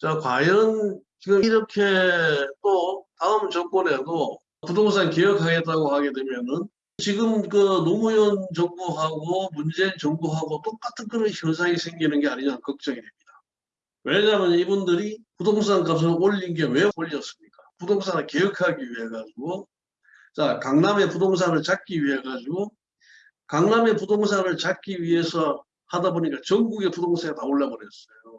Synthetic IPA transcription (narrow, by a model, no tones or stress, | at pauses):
t͡ɕakwajʌnt͡ɕiɡʌmiɾʌkʰe̞t͈otaɯmt͡ɕʌk͈ʌnedo | pudoŋs̬anke̞jʌkʰaɡe̞t͈̚aɡohaɡe̞dwemjʌnɯn | t͡ɕiɡɯmkɯnomujont͡ɕʌŋbuɦaɡomund͡ʑe̞nt͡ɕʌŋbuɦaɡot͈ok͈atʰɯnkɯɾɕjʌns̬ʰaŋisʰe̞ŋɡinɯnɡe̞aɲiɲankʌk̚t͡ɕ͈ʌŋide̞mɲid̥a | weɭɲamjʌnibundɯɾipudoŋs̬ʰaŋk͈ams̬ʰʌooʎːinɡewe̞poʎːʌs͈ɯmɲik͈apudoŋsʰanɯɭke̞ɯkʰaɡiɥiɦe̞ɡad͡ʑiɡo | t͡ɕakaŋname̞pudoŋs̬ʰanɯɭt͡ɕak͈iɥiɦe̞ɡad͡ʑiɡo | kaŋname̞pudoŋsʰanɯɭt͡ɕak͈iɥie̞sʰʌ | hadaboɲik͈at͡ɕʌŋɡuɡe̞pudoŋsʰaɡataoɭːabʌɾjʌs͈ʌjo